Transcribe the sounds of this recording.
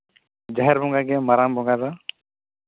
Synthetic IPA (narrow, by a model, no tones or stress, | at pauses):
d͡ʒaɦɛɾbʱɔŋɡaɡɛmaɾambʱɔŋɡad̪a